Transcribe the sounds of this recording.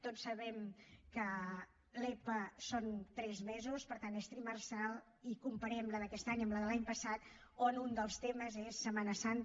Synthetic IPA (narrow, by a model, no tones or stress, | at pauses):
t̪osːəβɛmkə | lepəsont̪ɾɛzmɛzuspəɾt̪anest̪ɾimərsalˠ | ikumpəɾɛmləðəkɛst̪aɲəmləðəlaɲpəsat̪ | onund̪əlˠst̪eməzesːəmanəsant̪